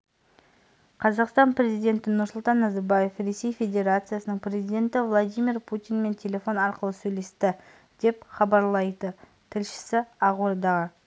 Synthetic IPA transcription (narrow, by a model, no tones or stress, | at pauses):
qʰɑzɑqst̪ɑnpɾʲe̞zijd̪ʲe̞nt̪ɪnʊɾsʊlˠt̪ɑnːɑzɑɾbaje̞fre̞se̞jfʲe̞d̪ʲe̞ɾat̪sɨjasənəɴpɾʲe̞zijd̪ʲe̞nt̪ɪvlˠad̪ijmirpʰut̪ijnme̞nt̪ʲʰe̞lʲe̞fo̞nɑɾqəlˠəsɵjle̞st̪ɪ | d̪̥e̞pχɑbɑɾlˠɑjd̪ə | t̪ʰɪlʃɪ̥sɪɑʁoɾd̪ɑʁə